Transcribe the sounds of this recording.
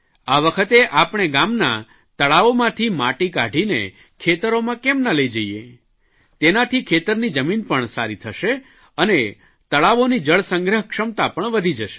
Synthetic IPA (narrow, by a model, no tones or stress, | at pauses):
aʋəkʰət̪eʔapɳ̃eɡamna | t̪əɭaʋomãt̪ʰimaʈikaɖʱinḛ | kʰet̪əɾomãkemnələid͡ʒəiḛ | t̪enat̪ʰikʰet̪əɾnid͡ʒəminpəɳsa̰ɾit̪ʰəʃe | əne | t̪əɭaʋonid͡ʒəɭsə̃ŋɡɾəɦkʂəmt̪apəɳʋəd̪ʱid͡ʒəʃe̥